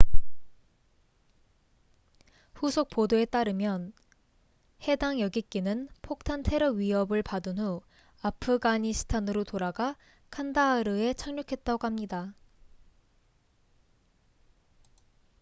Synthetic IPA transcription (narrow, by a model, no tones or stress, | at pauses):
ɸusʰok̚p͈odoe̞t͈aɾɯmjʌn | he̞daŋjʌɡik͈inɯnpʰok̚tʰantʰe̞ɾʌɥiɦʌbɯɭpadɯnɦu | apʰɯɡaɲisʰɯ̥tʰanɯɾotoɾaɡa | kʰandaɾɯe̞t͡ɕʰaŋɲokʰe̞t̚t͈aɡohamɲida